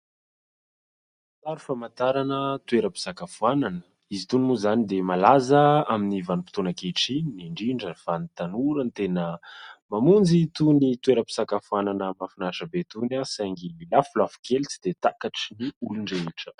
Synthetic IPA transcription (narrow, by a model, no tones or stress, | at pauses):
at̪aɾufamant̪aɾanət̪ueɾəpi̥sakafuananə | izit̪unimuzanid̪emalazəaminivanupit̪onakeʈ͡ʂiniɳɖ͡ʐiɳɖ͡ʐəfanit̪anuɾənt̪enəmamund͡zit̪unit̪ueɾəpi̥sakafuananəmafinaʂəbet̪unasajŋɡilafulafu̥kelt͡si̥d̪̥et̪akaʈ͡ʂiniuluɳɖ͡ʐeiʈ͡ʂə̥